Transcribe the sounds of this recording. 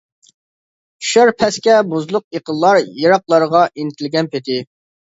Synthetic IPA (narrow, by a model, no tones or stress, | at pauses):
ʃøɾpʰɛskʲɛbuzlˠʊq̚eqəlˠlˠɑɾjeɾɑqlˠɑɾəʁɑʔinɪt̪ʰɪlɡʲɛnpʰet̪ʰɪ